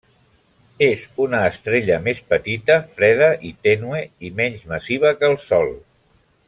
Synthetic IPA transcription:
ezunəːst̪ɾeʎəmespət̪it̪əfɾɛð̞əʔit̪ɛnueimɛɲzməsiβ̞əkəlˠsɔlˠ

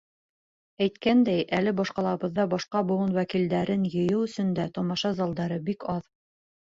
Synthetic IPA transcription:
æjt̪kænd̪æjʔælɘbɒʃqɑlˠɑβɤ̆ðːɑbɒʃqɑbŭwɤnwækild̪æɾɘnjɤ̆jɤwɵ̆sɵ̆nd̪æt̪ɒmɑʃɑzɑlˠd̪ɑɾɤbikɑð

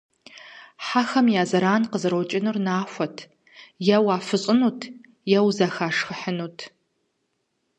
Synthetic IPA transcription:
ħaxɐmjaːzɐɾaːnqəzɨɾowt͡ʃʼɪnɨrnaːxʷɔtʰ | jɐwaːfɨɕʼɪnuːtʰ | jɛwzɐxaːʂxəħənuːtʰ

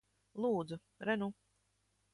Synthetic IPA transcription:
lˠuːd̪zu | ɾɛnu

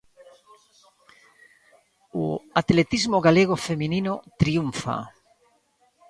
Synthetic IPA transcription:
oat̪let̪izmoɣaleɣ̞ofemĩninot̪ɾiuɱfa̰

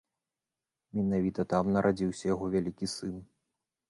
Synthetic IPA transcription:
mʲɛnavʲit̪ɐt̪amnɐɾʔad͡zʲiwsʲɐjaɣɔvʲalʲikʲisɨn

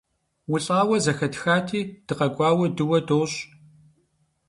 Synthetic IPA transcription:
wʊɬʼaːwɐzɐxɐtxaːtʰiːd̥ɨqɐkʷʼɑːwɐdɨwɐdoːɕʼ

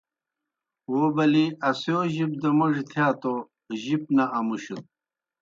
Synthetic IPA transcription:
wobɐliɐsjoːʑip̚d̪ɐmuʐit̪ʰjaːt̪o | ʑip̚naʔɐmuɕut̪̚

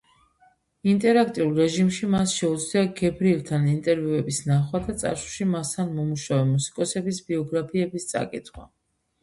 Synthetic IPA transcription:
int̪ʼɛɾakʰt̪ʼiulˠɾɛʒimʃimasʃɛud̪zliaɡɛbɾilˠt̪ʰanint̪ʼɛɾvjuɛbisnaχwad̪ʰat̪sʼa̰ʃu̥ʃimast̪ʰanmɔmuʃavɛmusi̥kʼɔsɛbisbiɔɡɾapʰiɛbist̪sʼa̰kʼḭt̪ʰχwa̰

